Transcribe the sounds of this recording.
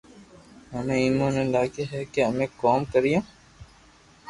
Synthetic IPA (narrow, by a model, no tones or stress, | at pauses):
ɦəmẽiːmõːnẽːlaːkeɦɛkeəmẽːkoːmkəɾijõː